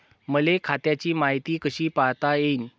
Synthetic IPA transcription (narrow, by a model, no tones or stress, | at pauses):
məlekʰat̪jat͡ɕiːmaɦit̪iːkəɕiːpaɦt̪ajen